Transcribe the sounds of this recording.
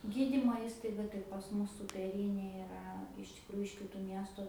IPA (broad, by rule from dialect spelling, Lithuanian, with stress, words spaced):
ˈɡʲiːdʲiːmoː ˈiːstɐɪɡɐ tɐɪ pɐs ˈmʊs suːpʲɛˈrʲiːnʲeː ɪˈrɐ ɪʃ tʲɪkˈruːjʊ ɪʃ kʲɪˈtuː ˈmʲiɛstʊ